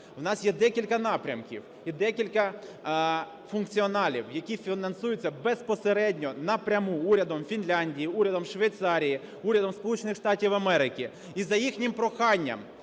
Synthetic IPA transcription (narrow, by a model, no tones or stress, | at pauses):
wnɑsjɛd̪ɛkʲilʲkɐnɑpɾʲɐ̰mkʲḭw | id̪ɛkʲilʲkɐ | fʊnkt͡sʲiɔnɑlʲḭwjɐkʲifʲinɐnsujʊt͡sʲːɐbespɔseɾɛdʲnʲɔnɐpɾʲɐmuuɾʲɐd̪ɔmfʲinlʲanʲdʲijiuɾʲɐd̪ɔmʃʋejt̪sɑɾʲiji | uɾʲɐd̪ɔmspɔlˠut͡ʃenɪxʃt̪ɑtʲiwɐmɛɾɪkʲi | izɐjixnʲɪmpɾɔxɑnʲːɐ̰m